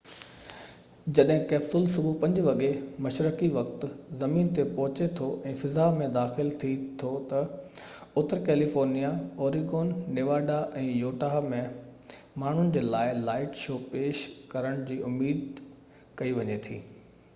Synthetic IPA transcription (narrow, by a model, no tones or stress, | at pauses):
d͡ʑɐɗɦɪ̃kɛːbsʊlsʊbupɐ̃ɲd͡ʑɪʋɐɠemɐʃɾəkiʋɐkt̪̆zɐmiːnt̪epɔɦʊt͡ɕet̪ʰoʔɛ̃ːfɪzamẽd̪aːxɪlt̪ʰit̪ʰot̪ɐ | ʊt̪əɾkɛːlifoːɾnijaoːɾiɡoːnːeːʋaːɖaʔɛ̃ːjoːʈamẽ | maːɳ̤ʊnɪ̆d͡ʑeːlaːɪlaːɪʈʃoːpeːʃkɐɾəɽ̃d͡ʑiːʔʊmːiːd̪̚ | kɐiʋɐɲet̪ʰḭː